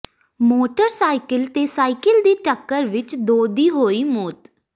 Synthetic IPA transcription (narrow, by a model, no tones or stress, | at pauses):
moːʈəɾsaːɪkəlt̪eːsaːɪkəld̪iːʈəkːəɾʋɪt͡ʃd̪oːd̪iːɦoːiːmoːt̪